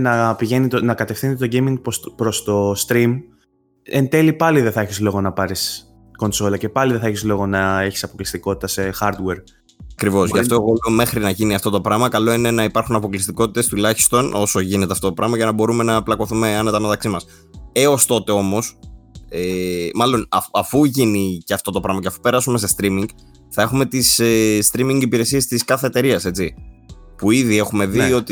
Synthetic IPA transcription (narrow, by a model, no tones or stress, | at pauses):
nɐpiʝe̞nit̪onɐkɐt̪e̞fθinit̪t̪oɟemiŋɡ̚ppɾo̞st̪o̞st̪ɾim | ent̪e̞lipɐliðe̞θɐeçizlo̞ɣo̞nɐpɐɾis | ko̞nso̞lɐce̞pɐliðeθɐeçizlo̞ɣo̞nɐe̞çi̥sɐpo̞klist̪iko̞t̪i̥t̪ɐse̞xɐɾd̪we̞ɾ | ɐkɾivo̞sʝɐt̪oolome̞xɾinɐʝiniɐft̪o̞t̪o̞pɾɐmɐkɐlo̞ine̞nɐipɐɾxunɐpo̞klist̪iko̞t̪it̪e̞st̪ulɐçi̥st̪o̞no̞so̞ʝine̞t̪e̞ɐft̪oopɾɐmɐʝɐnɐbo̞ɾume̞nɐplɐko̞θume̞ɐnet̪ɐnɐt̪ɐksimɐs | e̞o̞st̪o̞t̪e̞o̞mo̞semɐlo̞nɐɐfuʝiniceɐft̪o̞t̪o̞pɾɐmɐceɐfupe̞ɾɐsume̞se̞st̪ɾimiŋɡ | θɐe̞xume̞t̪isest̪ɾimiŋɡipiɾe̞sie̞st̪iskɐθe̞ːt̪e̞ɾiɐse̞t͡sipuiðie̞xume̞ðio̞t̪i